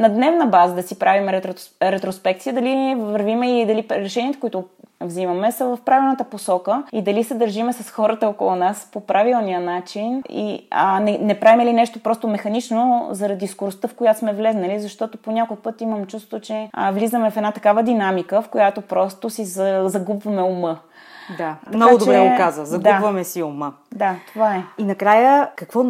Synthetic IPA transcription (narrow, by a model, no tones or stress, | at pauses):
nɐd̪nɛvnəbazəd̪ɐsipɾʔavimɛɾɛt̪ɾɛt̪ɾospɛk̚t̪sijəd̪ɐlivɐɾvimɛilid̪ɐliɾɛʃɛniət̪ɛ̥koit̪ʊvzimɐmɛsəvɐfpɾavilˠnət̪əposɔkəid̪ɐlisɛd̪ɐɾʒimɛsɐsxɔɾət̪əɔkolˠunaspopɾʔavilˠnijənat͡ʃinḭənɛnɛpɾavimɛlinɛʃt̪opɾɔst̪omɛxɐnit͡ʃnozɐɾɐd̪iskoɾost̪əfkojat̪osmɛvlɛznɐlizɐʃt̪ɔt̪oponʲakolˠpɤt̪iməmt͡ʃust̪t̪ot͡ʃɛvlizəmɛfɛd̪nat̪ɐkavəd̪inamikəfkojat̪opɾɔst̪osizzɐɡubvɐmɛomə | d̪at̪ɐnɔkaɡʊdt͡ʃ̪obɾɛɛkazəzɐdɡ̪uavɐmɛsiomə | d̪at̪ovaɛinɐkɾajəkɐkvɔ